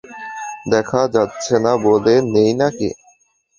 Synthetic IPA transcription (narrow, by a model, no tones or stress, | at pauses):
d̪ɛkʰad͡ʑatːɕʰenabolenejnakḭ